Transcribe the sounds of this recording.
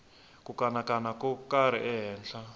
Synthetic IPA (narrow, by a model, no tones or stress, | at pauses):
kʼukanakʼanakʼukaɾ̤ɛʔɛɦɛːnɬa